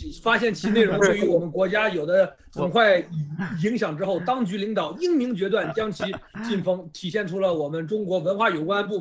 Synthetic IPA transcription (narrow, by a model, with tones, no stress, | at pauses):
fa˥ɕjɛ˥˩nt͡ɕʰi˧˥ne˥˩ɪɻʊ˧˥ŋ˧˩y˧˥wɔ˨˩mə˦nkwɔ˧˥t͡ɕja˥jo˨˩ʊd̪ə˦ | t͡sʰŋxwa˥˩ɪ˨˩i˧˥ŋɕjɑ˨˩ŋʈ͡ʂɻ̩˥xo˥˩ʊt̪ɑ˥ŋt͡ɕy˧˥li˧˥ŋt̪ɑ˨˩ʊi˥ŋmi˧˥ŋt͡ɕɥɛ˧˥t̪̬wa˥˩nt͡ɕjɑ˥ŋt͡ɕʰi˧˥t͡ɕi˥˩nfɤ˧˥ŋt̪ʰi˨˩ɕjɛ˥˩nʈ͡ʂʰu˥lə˧wɔ˨˩mə˦nʈ͡ʂʊ˥ŋkwɔ˧˥wə˧˥nxwa˥˩jo˨˩ʊkwa˥npu˥˩